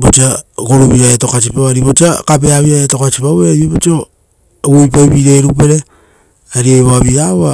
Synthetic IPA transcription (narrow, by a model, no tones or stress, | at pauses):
bot͡ʃiakoɾuβiɾaeto̞kat͡ʃipaβaɾiβot͡ʃiakapeaβiɾaeto̞kat͡ʃipaweɾajeβot͡ʃio | ujp̬aiβiɾejɾupe̞ɾe̞ | aɾiajβaβiaβa